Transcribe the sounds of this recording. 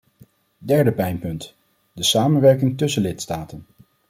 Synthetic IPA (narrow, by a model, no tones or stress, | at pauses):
dɛɹdəpɛjnpɵnt | dəsaːmənʋɛɹkɪŋtɵsəlɪtstaːtən